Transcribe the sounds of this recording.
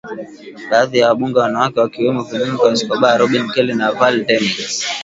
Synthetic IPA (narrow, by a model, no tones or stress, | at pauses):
ɓaːðijawaɓuŋɡɛwanawakɛwakiwɛmɔvimunikwaisi̥kɔɓaɾɔɓinkɛlɛnavaltɛmis